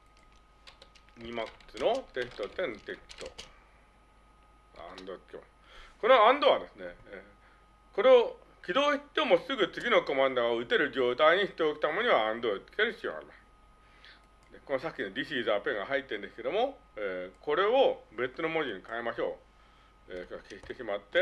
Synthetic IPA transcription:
ɲ̟imakɯ̥sɨno̞t̪e̞sɨ̥t̪o̞t̪ẽ̞nt̪e̞st̪o̰ | ɡa̰ã̰nd̪o̞t͡sɨ̥kʲema̰sɨ̥ | ko̞noãnd̪o̞βad̪e̞sɨne̞ː | ko̞ɾe̞o | kʲid̪o̞ːɕit̪ːeːmosɨɡɯ̟t͡sɨɡʲino̞ko̞mãnd̪oɡaɯ̟t̪e̞ɾɯ̟d͡ʑo̞ːt̪aiɲ̟iɕi̥t̪eokʲi̥t̪ammoɲ̟iβaãnd̪ot͡sɨ̥kʲeɾɯ̟çi̥t͡sio̰ŋ̰a̰ɾḭmasɨ̥ | d̪e̞ko̞nosakʲːinoɾʲiɕiːzaːpẽ̞ŋɡaɦait̪ːẽnd̪esɨ̥ke̞d̪o̞mo̞eːko̞ɾe̞o̞be̞t͡sɨno̞mo̞ʑiɲ̟ikaemaɕo̞ː | eːkakeɕi̥t̪e̞ɕimat̪ːe̞

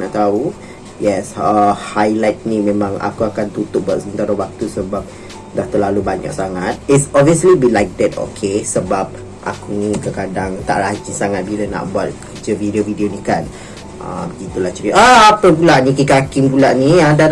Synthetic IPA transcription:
naʔt̪au | jɛsəhajlajt̪̚nĩmẽmãŋa̰kuakant̪ut̪ʊk̚buat̪̚səmbənt̪aɾəwak̚t̪usəbap̚ | daht̪əlalubaɲa̰ksaŋat̪̚itsɔbviəslibilajk̚t̪ədo̰kʰesəbap̚ | ʔa̰kunikəkadaŋt̪a̰ʔɾad͡ʒisaŋat̪̚biləna̰ʔbuat̪̚kəd͡ʒəvidiovidionikan | ʔə̰bəɡit̪ulat͡ʃəɾiʔaapəp̬ulaʔnĩkikakɪmpulaʔniada

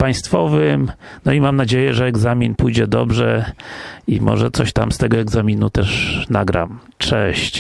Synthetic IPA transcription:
paj̃st̪fɔvɘmnɔimamnad͡ʑejɛʐɛɛɡzamʲinpujd͡ʑɛd̪ɔbʐɛ | imɔ̰ʐɛt̪sɔɕt̪amst̪ɛɡɔɛɡzamʲinut̪ɛʂnaɡɾa̰m | t͡ʂɛɕt͡ɕ

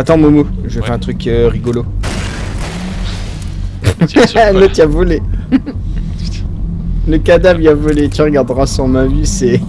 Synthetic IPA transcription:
at̪ɑ̃mɔ̃moʒəfɛɛ̃t̪χykʁiɡɔlo | lot̪yavɔle | ləkad̪abʁiavɔlet̪yʁəɡaʁd̪ʁasɑ̃mavysɛ

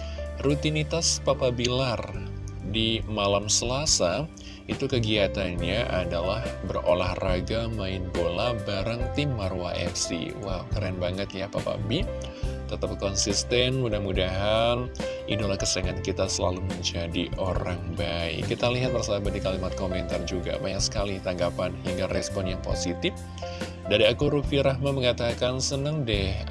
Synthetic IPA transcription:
rut̪init̪aspapabilardimalamsəlasa | it̪ukəɡiat̪anɲaʔadalahbəro̰lahraɡamaɪnbolabaɾaŋt̪imarwa̰ʔɛ̰fsḭwakaɾaanbaŋət̪japapa̰bi | t̪ət̪əp̚kɔnsist̪ɛnudahmudaɦan | ḭdolahkəsəəŋankit̪asəlaluməɲd͡ʒadiʔoɾaŋbaɪ̰kːit̪aliɦat̪̚mərsaabadikalimat̪̚komɛnt̪ard͡ʒuɡa̰bajaksə̥kalɪht̪aŋɡapanɦiŋɡarɛspɔnjaŋpo̰sit̪ɪf | daɾiakuɾufiɾahmaməŋat̪akansənəŋdɛh

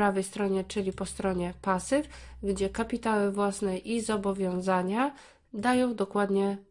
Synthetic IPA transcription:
ɾavɛjst̪ɾɔɲɛt͡ʂɘlʲipɔst̪ɾɔɲɛpasɘfɡd͡ʑɛkapʲit̪awɘvwasnɛʔizɔbɔvʲjɔ̃w̃zaɲa | d̪ajɔ̃w̃d̪ɔkwad̪ɲɛ

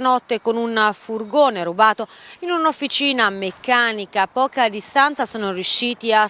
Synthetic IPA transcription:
nɔt̪ːekonunfurɡoːneɾubaːt̪oinunofːit͡ʃiːnamekːaːnikapɔːkad̪ist̪ant̪sasɔːnorjuʃːiːt̪ia

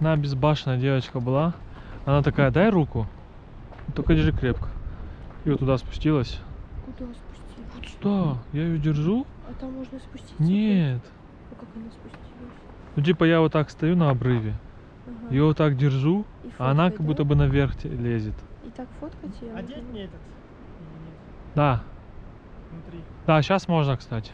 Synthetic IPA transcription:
nabʲɪzbaʂɨnəjədʲe̞vət͡ɕkəbɨlˠa | ɐnat̪ɐkajəd̪ajɾukʊ | t̪okədʲɪʐɨkɾʲepkə̥ijot̪ːʊd̪aspʊ̥sʲtʲilˠəsʲkʊaspʊvot̪d̪ajajɪjodʲɪrʐuɐt̪amːoʐnəspʊsʲtʲinʲet̪ | ɐnaspʊi | nut̬ʲipəjavot̪ːakst̪ɐjunɐɐbɾɨvʲɪ | ɪjoot̪ːakdʲɪrʐu | fɐɐnakɐɡbut̪ːəbɨnɐvʲerxtʲlʲezʲɪt̪ɪt̪akfot̪kətʲɪj | d̪a | nɾʲid̪̥aɕasmo̞ʐnəkst̪atʲɪ̥

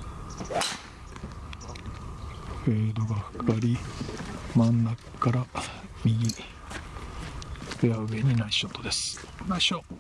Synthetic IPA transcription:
ed̪o̞ɡaɸɯ̟̥kʰaɾʲi | mãnːa | kːaɾamʲiɡʲi | ejaɯɡe̞ɲ̟inaiɕot̪ːo̞d̪e̞sɨ̥ | naiɕo

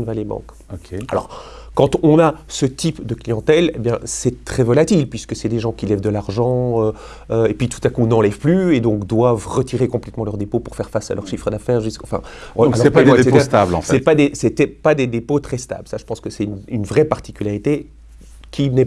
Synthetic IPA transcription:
nvalebɑ̰̃k | okʰʲea̰lɔ̰ʁkɑ̃t̪ɔ̃nasət̪ipd̪əklijɑ̃t̪ɛlebjɛ̃sɛt̪χɛvɔlat̪ilpɥiskəsɛd̪eʒɑ̃kʲilɛvd̪əlaʁʒɑ̃ø | øepɥit̪u̥t̪akunɑ̃lɛv̥plyed̪ɔ̃kd̪wavʁət̪iʁekɔ̃plɛt̪mɑ̃lœʁd̪epopuʁfɛʁfasa̰lœʁʃifχəd̪afɛːʁʒyskɑ̃fɛ̰̃ | lpasɛst̪ablɑ̰̃fsɛpad̪esɛt̪ɛpad̪ed̪epot̪χɛst̪a̰blsaʒə̥pɑ̃skəsɛynynvʁɛpaʁt̪i̥kʲylaʁit̪e | kʲinɛ

